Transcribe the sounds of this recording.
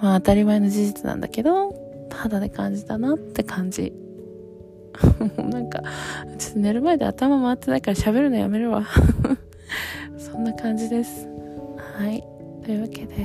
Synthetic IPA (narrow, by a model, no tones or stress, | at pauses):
maːt̪aɾʲimaeno̞d͡ʑiʑit͡sɨnã̰nd̪a̰ke̞d̪o̞ | t̪ʰad̪ad̪ekãɲ̟d͡ʑit̪anat̪ːe̞kʰãɲ̟d͡ʑḭ | nãŋka̰t͡ɕi̥t̪ne̞ɾɯ̟maed̪e̞̰at̪amamaːt̪ːe̞naikaɾaɕabe̞ɾɯ̟nojame̞ɾɯ̟βa | sõ̞nːakãɲ̟d͡ʑid̪e̞sɨ̥hai | t̪o̞jɯ̟βake̞d̪̥e̞